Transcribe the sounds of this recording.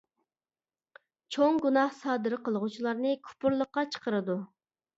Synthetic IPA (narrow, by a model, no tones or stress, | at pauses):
t͡ʃʰoŋɡunɑhsɑːd̪ɨɾɨqəlˠəʁut͡ʃʰilˠɑɾnɨkʲʰu̥pʊɾlˠəχqːɑt͡ʃʰə̥qəɾɨd̪u